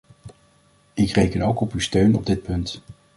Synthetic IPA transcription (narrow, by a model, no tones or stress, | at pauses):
ɪkrejkənowkɔpywstøɥnɔb̚dɪt̚pɵnt